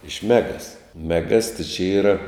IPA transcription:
ɪʃ ˈmʲæːɡɐs mʲɛˈɡɐs tʲɪ t͡ʃʲɛ ˈiːrɐ

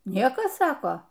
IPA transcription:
ˈnʲiɛkɐs ˈsɑːkoː

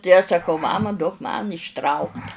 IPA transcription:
tɐɪ ɐʃ sɐˈkɐʊ ˈmɑːmɐ duɔk mɐn ɪʃˈtrɐʊktʲ

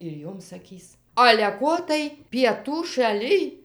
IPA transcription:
ɪr ˈjoːm sɐˈkʲiːs ɐlʲɛ ˈkoː tɐɪ pʲiɛˈtuː ʃɐˈlʲɪj

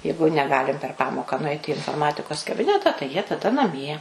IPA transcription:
ˈjɛɪɡʊ nʲɛˈɡɑːlʲɪm pʲɛr ˈpɑːmoːkɑː nʊˈɐɪtʲɪ ɪ ɪnfoːrˈmɑːtʲɪkoːs kɐˈbʲɪnʲɛtɐ tɐɪ jiɛ tɐˈdɐ nɐˈmʲiɛ

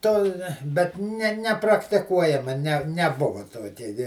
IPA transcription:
toː bʲɛt ˈnʲɛ nʲɛprɐktʲɪˈkuɔjɛmɐ ˈnʲɛ nʲɛˈbʊʋɐ ˈtoːkʲɛ ɡʲɪ

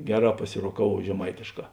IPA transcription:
ˈɡʲæːˌrɑː pɐsʲɪroːˈkɑːʋuɔw ʒʲɛˈmɐɪtʲeːʃˌkɑː

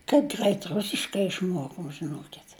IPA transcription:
kɐɪp ˈɡrɐɪt ˈrʊsʲɪʃkɐɪ ɪʃˈmuɔkoːm ʒʲɪˈnuɔkʲɪtʲ

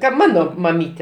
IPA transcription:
kɐt ˈmɑːnoː mɐˈmʲiːtʲɛ

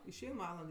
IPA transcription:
ɪʃʲˈɛɪn ˈʋɑːlˠɐnt

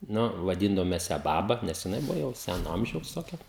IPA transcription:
ˈnʊ ʋɐˈdʲiːndɐʋoːm mʲɛs jæː ˈbɑːbɐ ˈnʲɛs jɪˈnɐɪ ˈbʊʋoː ˈjɛʊ ˈsʲænoː ˈɐmʲʒʲɛʊs toːˈkʲɛ

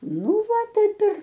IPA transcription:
ˈnʊ ˈʋɐ ˈtɐɪp ɪr

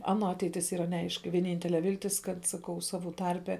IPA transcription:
ˈɑːnoː ˈɑːtʲɛɪtʲɪs ˈiːrɐ nʲɛˈɐɪʃʲkʲɪ ʋʲiɛˈnʲiːnʲtʲɛlʲɛ ˈʋʲɪlʲtʲɪs ˈkɐt sɐˈkɐʊ sɐˈʋuː ˈtɐrʲpʲɛ

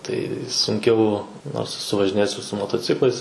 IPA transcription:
tɐɪ sʊŋʲˈkʲɛʊ noːrs ɛˈsʊ ʋɐʒʲɪˈnʲeːjɛs ɪr sʊ moːtoːˈt͡sʲɪklˠɐɪs

